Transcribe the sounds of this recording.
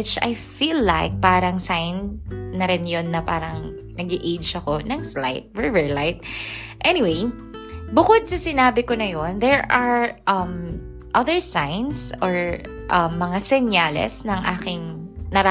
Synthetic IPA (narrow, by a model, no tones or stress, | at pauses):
ɪt͡ʃɐ̰jfiːlːaɪk̚paːɾɐŋsajnnɐɾɪnjonːɐpaːɾɐŋ | nɐɡɪʔejt͡ʃɐkonɐɡsla̰jt̪̚vɛvɛɹlajt̪̚ʔɛnɪwej | bʊkod̪̚sɐsɪnaːbɪkonɐjonðɛɹɐɹʔɐm | ʔɐðɛɹsajnsɔɹ | ʔɐmːɐŋasɛnjaːlɛ̰snɐŋʔaːkɪŋnɐɾ